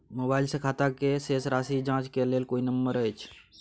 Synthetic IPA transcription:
mobailsekʰaːt̪akesesɾaːsid͡ʒãːt͡ʃkeleːlkoːinəmbəɾəjt͡ʃʰ

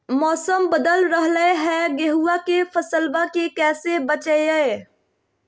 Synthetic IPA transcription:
mɔːsəmbəd̪əlɾəɦləeɦɛɡeɦuakefəsəlbakekɛːsebət͡ʃəeəe

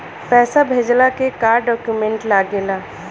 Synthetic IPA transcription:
pɛːsabʱeːd͡ʒlakekaːɾɖɔːkjumẽɳʈlaːɡelaː

